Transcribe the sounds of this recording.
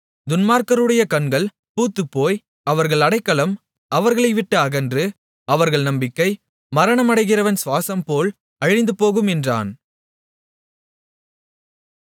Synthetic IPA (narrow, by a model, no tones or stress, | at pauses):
d̪ʊnmaːɾkɐɾɯɽɐjɐkɐɳɡɐɭ | puːt̪ːɯpːoːj | ɐʋɐɾɣɐɭɐɽɐɪkːɐɭɐm | ʔɐʋɐɾɣɐɭɐɪʋɪʈːɯɐɣɐndrɯ | ɐʋɐɾɣɐɭnɐmbɪkːɐɪ | mɐɾɐɳɐmɐɽɐɪɣɪrɐʋɐnsʋaːsɐmpoːl | ɐɻɪnd̪ɯpoːɣɯmɛndra̰ːn